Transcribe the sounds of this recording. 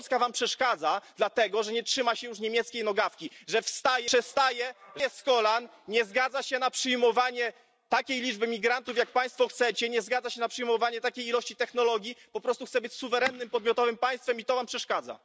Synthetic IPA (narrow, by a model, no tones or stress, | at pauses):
t̪skavampʂɛʂkad̪zad̪lat̪ɛɡɔʐɛɲɛtʂɘmaɕɛjuʂɲemʲjɛt̪skʲejnɔɡafkʲiʐɛfst̪ajɛʂɛst̪ajɛskɔlan | ɲɛzɡad̪zaɕɛnapʂɘjmɔvaɲɛ | t̪akʲejlʲid͡ʐbɘmʲiɡɾant̪ufjak̚paj̃st̪fɔxt̪sɛt͡ɕɛɲɛzɡad̪aɕɛnapʂɨjmɔvaɲɛt̪akʲejilɔɕt͡ɕit̪ɛxnɔlɔɡʲjipɔpɾɔst̪uxt̪sɛbɘt͡ɕsuvɛɾɛnːɘmpɔd̪mʲjɔt̪ɔvɘmpaj̃st̪fɛmit̪ɔvampʂɛʂkad̪za̰